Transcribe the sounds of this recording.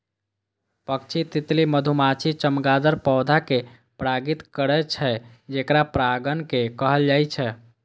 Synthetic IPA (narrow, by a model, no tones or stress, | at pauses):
pəkt͡ʃʰit̪it̪liməd̪ʱumat͡ʃʰit͡ʃəmɡad̪əɾpɔwd̪ʱake | pɾaɡit̪kəɾɛt͡ʃʰɛ | d͡ʒekɾapɾaɡənkekəɦəld͡ʒajt͡ʃʰɛ